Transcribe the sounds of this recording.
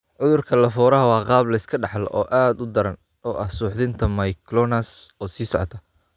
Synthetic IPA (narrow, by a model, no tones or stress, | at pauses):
ʕʊðʊrkʰɐlɐfɔːɾɐɦɐwɑːqɑːblɐɪskʰɐɖɑħlɔ̰ʔɔːʔaːd̪ʊd̪ɐɾɐn | ɔːʔɐhsuːħðɪnt̪ʰɐmɐjkʰlɔnɐsɔːsiːsɔ̰ʕɔt̪ʰɐ